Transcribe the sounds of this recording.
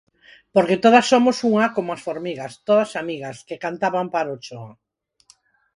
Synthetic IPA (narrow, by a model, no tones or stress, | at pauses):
poɾket̪oðɐsːomosuŋakomoasfoɾmiɣast̪oðasamiɣaskekant̪aβampaɾot͡ʃo